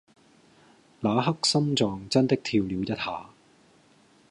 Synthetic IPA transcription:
laː˨˧ɦɐ˥k̚sɐ˥mt͡sɔː˨ŋt͡sɐ˥nt̪ɪ˥k̚t̪ʰiː˧wliː˨˧wjɐ˥t̚haː˨˧

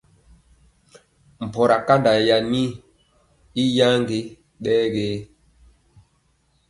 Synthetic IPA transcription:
m̩˨pɔ˨ɾa˨ka˦nda˨ja˨ni˦ | i˦ja˦ŋɡe˦ | ɗɛ˦ɡeː˦

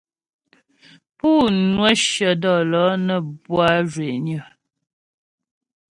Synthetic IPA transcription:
puː˦˨nwə˦ʃə˨dɔ˨lɔ˨˦nə˨bwa˦ʒwe˨ɲə˨

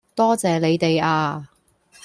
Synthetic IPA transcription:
t̪ɔː˥t͡sɛː˨le˨˧jt̪e˨jaː˧

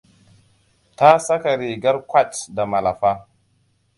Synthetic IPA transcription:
ta˦sa˦ka˨ɾi˨ɡa˦ɾkʷa˦t͡ʃda˨ma˨la̰˨fa˦

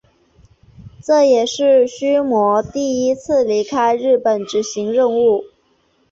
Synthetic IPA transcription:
ʈ͡ʂɤ˥˩jɛ˨˩ʂɻ̩˥˩ɕy˥mwɔ˧˥t̪i˥˩i˥t͡sʰɹ̩˥˩li˧˥kʰa˥ɪɻɻ̩˥˩pə˨˩nʈ͡ʂɻ̩˧˥ɕi˧˥ŋɻə˥˧nu˥˩

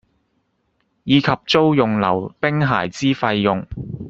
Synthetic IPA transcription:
jiː˨˧kʰɐ˨p̚t͡ʃo˥wjʊ˨ŋlɐ̰˨˩wpɪ˥ŋɦa̰ː˨˩jt͡siː˥fɐ˧jːʊ˨ŋ

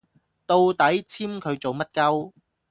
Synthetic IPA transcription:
t̪o˧wt̪ɐ˨˥jt͡sʰiː˥mkʰɵ˨˧ɥt͡so˨wmɐ˥t̚kɐ˥w

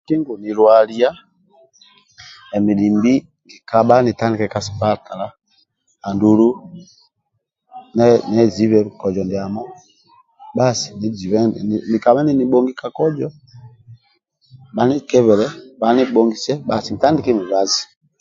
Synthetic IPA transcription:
ki˦ŋɡu˨ni˨ɾwa˨li˦a˦ | ɛ˨mi˨di˨mbi˦ | ŋɡi˨ka˦ɓa˦ni˨ta˦ndi˨kɛ˦ka˦˨si˨ba˦ta˨la˦ | a˨ndu˨ɾu˦ | nɛ˦nɛ˨zi˨˦βɛ˦kɔ˨d͡ʒɔ˨ndi˨a˨mɔ˦ | ɓa˦si̥˨ni˨zi˨βɛ˦˨mi˨ka˨βɛ˦ni˦ni˦ɓɔ˦ŋɡi˦ka˦kɔ˦d͡ʒɔ˦ | ɓa˨ni˦kɛ˦βɛ˨ɾɛ˦ɓa˨˦ni˦ɓɔ˦ŋɡi˨sɛ˦ɓa˨si˨ŋi˨ta˦ndi˨˦kɛ˦mi˨βa˨˦zi˨

